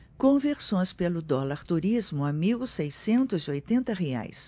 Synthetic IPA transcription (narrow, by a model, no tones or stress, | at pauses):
kõveɾsõj̃spelʊd̪ɔlaɾt̪uɾizmʊamiwsejsẽnt̪ʊzɪojt̪ẽnt̪ɐɦea̰js